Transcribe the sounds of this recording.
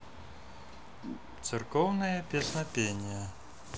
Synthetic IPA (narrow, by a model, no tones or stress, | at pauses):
t̪sɨrkɔwnɐjɐpʲɛsnɐpʲenʲijɐ